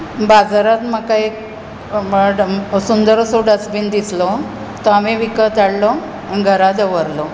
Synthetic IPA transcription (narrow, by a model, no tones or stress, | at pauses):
bad͡zaɾat̪məkaek | sund̪əɾsoɖəsbind̪islɔ | t̪ɔamiʋikət̪aɽlɔ | nɡʱəɾad̪əʋəɾlɔ